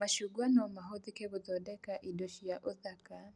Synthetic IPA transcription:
maʃuɡwanɔmaɦɔðikɛβuðɔdɛkaʔidɔʃijaʔɔðaka

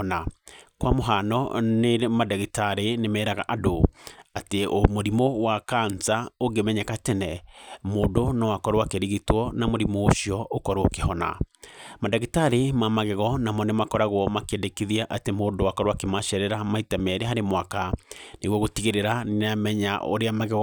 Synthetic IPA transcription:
nakwamoɦanɔnemadaɣitaɾenemɛːɾaɣa̰ʔadoateomoɾimowakaɲsaoŋɡemɛɲɛkatɛnɛmoːdonɔwakɔɾowakeɾiɣitwɔnamoɾimooɕiɔʔokɔɾookehɔna̰madaɣitaɾemamaɣeɣɔnamɔnemakɔɾaɣwɔmakɛndekiðiaʔatemoːdowakɔɾowakemaɕɛɾɛɾamaitɛmɛɾeɦaɾemwakaneɣwɔɣotiɣeɾeɾanamɛɲa̰ʔo̰ɾeamaɣeɣ

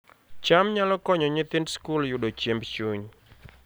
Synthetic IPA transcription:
t͡ʃamɲalɔkɔɲɔɲɪt̪ɪnskuljudot͡ʃɛmbt͡ʃuɲ

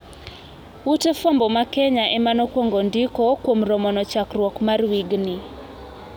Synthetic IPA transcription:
wutefombɔmakɛɲaʔɛmanɔkwoŋɡondikokwomɾɔmɔnɔt͡ʃakrwɔkmarwiɡni

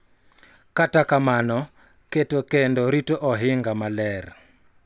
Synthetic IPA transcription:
katakamanɔ | ketokendɔɾitoʔɔɦɪŋɡamalɛr

